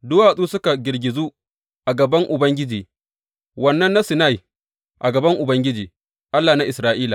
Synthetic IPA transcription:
dʊ˦waː˨sʼuː˦sʊ˦ka˨ɡʲɪ˨rɡʲɪ˨zu˦ | ʔa˨ɡɐ˨bɐ˦ŋʔʊ˨bɐ˦ŋɡʲɪ˦d͡ʒiː˨ | wɐ˦nːɐ˦nːa˦sɪ˨na˦˨ji˨ | ʔa˨ɡɐ˨bɐ˦ŋʔʊ˨bɐ˦ŋɡʲɪ˦d͡ʒiː˨ | ʔa˦lːaː˨na˦ʔɪ˨sɾaː˨ʔiː˦la˨

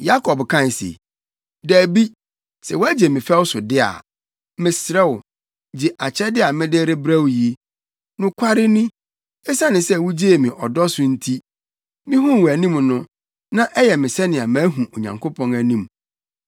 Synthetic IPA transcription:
ja˦kʰɔ˨bkʰã˦˨n˨sḛ˨ | dæː˨bi˦ | sɛ˨wɔ˦æ˦d͡ʑe˨mɪ̃˨fɛ˦wsʊ˨dɪ˦a̰˨ | mɪ̃˨sɾɛ˦wʊ˨ | d͡ʑi˨ʔa˨t͡ɕʰɛ˦dɪ˦a˨mɪ̃˦de˦ɾe˦bɾæ˦wji˨e˦ | nʊ̃˦kʷʰa˦ɾɪ˦nĩ˦ | ɛ˦sa˦nɪ̃˨sɛ˦˨wu˦d͡ʑe˦e˨mĩ˨ʔɔ˨dɔ˦sʊ˨n̩˦tʰi˦ | mɪ̃˦ɦʊ̃˦˨wæ˨nĩ˦mnʊ̃˦ | nã˦ʔɛ˦jɛ˨mɪ̃˨sɛ˦nɪ̃˨a˨mã˦ɦũ˨ʔo˨ɲã̰˨ŋkʰo˦pʰɔ̃˦næ˨nĩ˨m˨

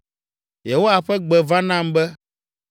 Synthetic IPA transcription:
jɛ˨wo˦a˨ɸɛ˦ɡ͡bɛ˨va˦nã˦mbɛ˦

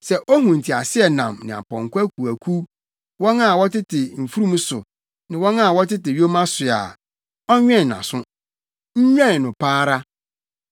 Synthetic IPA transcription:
sɛ˨ʔɔ˦hũ˨n̩˨tʰi˨a˨sɪ˦ɛ˨nã̰˨mnɪ̃˨a̰˨pɔ̰̃˨ŋ˨kʷa˦kʰu˨æ˨kʰu˦ | wɔ̃˦na˦˨wɔ˦tɪ˦tʰɪ˨m̩˨fu˦ɾũ˦m˦sʊ̰˨ | nɪ̃˨wɔ̃˦na˦˨wɔ˦tɪ˦tɪ˨ɥjo˦mã˦sʊ˨a̰˨ | ɔ˦ɲᶣɛ̃˦˨ã̰˨sʊ̃˦ | ɲ̩˦ɲᶣɛ̃˦˨nʊ̃˨pʰaː˦ɾa˦

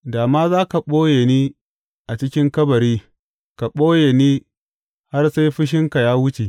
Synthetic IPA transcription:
daː˨maː˦zaː˦ka˨ɓoː˦je˨niː˦ | ʔa˨t͡ʃɪ˦kʲɪ˦ŋkɐ˦bɐ˨ɾiː˦ | ka˨ɓoː˦je˨niː˦ | ha˦rsa˦jɸɪ˦ʃ̬ɪ˦ŋka˨jaː˦wʊ˦t͡ʃe˨ʔ

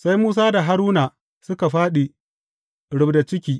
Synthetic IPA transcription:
sa˦jmuː˦s̬aː˦da˨ɦa˦ɾuː˦naː˨ | sʊ˦ka˨ɸaː˦ɗi˨ | ɽʊ˦bda˨t͡ʃɪ˦kʲiː˦

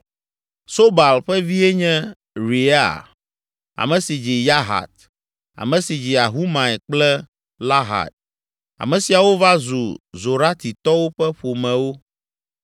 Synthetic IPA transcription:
so˦ba˨lɸɛ˦vi˦ɛ˦ɲɛ̃˦ | ɾi˨a̰˦˨ | a̰˨mɛ̃˨si˨d͡ʑi˨ja˦ɦa̰˨t̪̚ | a̰˨mɛ̃˨si˨d͡ʑi˨a˨ɦu˦mã˨ɛ˨k͡plɛ˦ | la˦ɦa̰˨t̪̚ | a̰˨mɛ̃˨si˨a˨wo˦va˦zu˨zo˨ɾa˦t̪i˨t̪ɔ˦wo˦ɸɛ˦ɸo˨mɛ̃˨wo˦

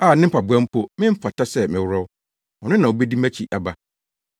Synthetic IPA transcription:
aː˦˨nɪ̃˦m̩˦pʰa˨bʊ˦ã˦m̩˦pʰɔ˦mɪ̃˦m̩˦fa˨tʰa˦sɛ˦mɪ̃˨wʊ˦ɾɔ˦w | ɔ˨nɪ̃˦nã˨o˨bɛ˦di˦mæ̃˦t͡ɕʰi˨ʔa˨ba˦

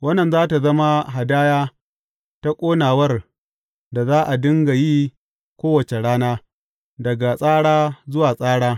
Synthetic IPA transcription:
wɐ˦nːɐ˨nzaː˦ta˨zɐ˦ma˦ɦa˨daː˦jaː˦ | ta˦kʷʼoː˦naː˨wɐ˦r | da˨zaː˦ʔa˨dʊ˦ŋɡa˨ji˦ | kʷoː˦wɐ˨t͡ʃe˨ɽaː˦naː˦ | dɐ˨ɡa˨sʼaː˦ɽaː˦zʊ˦waː˨sʼaː˦ɽaː˦

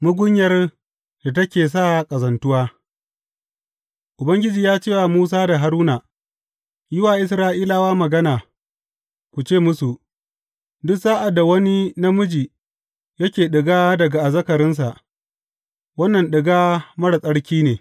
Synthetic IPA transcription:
mʊ˦ɡʷʊ˦ɲjɐ˨r | da˨tɐ˦kʲeː˨s̬aː˦˨kʼɐ˨zɐ˨ntʊ˦waː˦ | ʔʊ˨bɐ˦ŋɡʲɪ˦d͡ʒiː˨jaː˦t͡ʃeː˦wa˨muː˦s̬aː˦da˨ɦa˨ɾuː˦naː˨ | jɪ˦waː˨ʔɪ˦sɾaː˦ʔiː˦la˦waː˦mɐ˨ɡɐ˦naː˨ | kʷu˨t͡ʃeː˦˨mʊ˦su˨ | dʊ˦ksaː˦ʔa˨dːa˨wɐ˦ni˦na˦mʊ˦d͡ʒiː˨ | jɐ˦kʲeː˨ɗɪ˨ɡaː˦dɐ˨ɡa˨ʔa˨zɐ˦kɐ˨ɾɪ˦ns̬a˨ʔ | wɐ˦nːɐ˨nɗɪ˨ɡaː˦mɐ˦ɽa˨sʼɐ˦ɽkʲiː˦neː˨

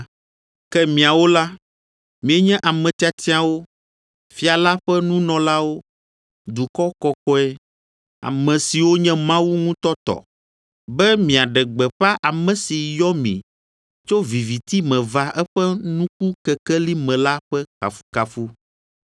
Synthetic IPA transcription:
kɛ˦mĩ˨a˨wo˦la˦ | mĩ˨ɛ˦ɲɛ̃˦ʔa˨mɛ̃˨t̪i˦a˨t̪ʰi˦a˨wo˦ | fi˦a˨la˦ɸɛ˦nũ˦nɔ̃˨la˦wo˦ | d̪u˨kɔ˦kɔ˨kɔ˦ɛ˦ | a̰˨mɛ̃˨si˨wo˦ɲɛ̃˦mã˦wu˦ŋũ˦t̪ɔ˦t̪ɔ̰˨ | bɛ˦mĩ˨a˨ɖɛ˨ɡ͡bɛ˨ɸa˦ʔa˨mɛ̃˨si˨jɔ˦mḭ̃˨ | t͡ʃo˦vi˨vi˨t̪i˦mɛ̃˨va˨˦ʔɛ˦ɸɛ˦nũ˦k̚u˦kɛ˨kɛ˦li˦mɛ̃˨la˦ɸɛ˦ka̰˨fu̥˦ka˨fu˦

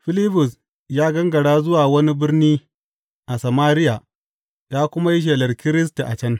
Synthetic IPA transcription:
ɸɪ˦lɪ˦ɸʊ˨s | jaː˦ɡɐ˦ŋɡɐ˨ɽaː˦zʊ˦waː˨wɐ˦ni˦bɪ˦rniː˦ | ʔa˨sɐ˨maː˦ɾɪ˦ja˨ | jaː˦kʷʊ˦ma˦ji˦ʃ̬eː˨lɐ˨rkʲɪ˦ɾɪ˦s̬ta˨ʔa˨t͡ʃɐ˦ŋ

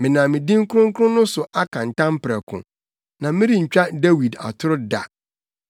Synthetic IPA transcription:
mɪ̃˨nã˨mɪ̃˨dĩ˦ŋ˦kʊ˦ʊ̃˦ŋ˦kʰʊ˦ɾʊ̃˦nʊ̃˦sʊ˨ʔa˦kʰã˨n̩˨tã˦m˦pʰɾɛ˨kʰʊ̰̃˨ | nã˨mɪ̃˦ɾi˦ɲ̩˨t͡ɕᶣa˦de˦wi˨da̰˨tʰʊ˦ɾʊ˦da̰˨

